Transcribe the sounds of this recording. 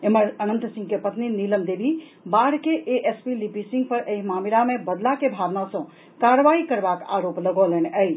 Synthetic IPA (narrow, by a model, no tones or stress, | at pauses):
eməɾənənt̪sĩŋɡkepət̪niniləmd̪ebʱi | baɽkeʔeʔespilipisĩŋɡpəɾʔejmamilamebəd̪lakebʱaʋnasə̃ | kaɾəʋaikəɾbaka̰ɾopləɡəleneəj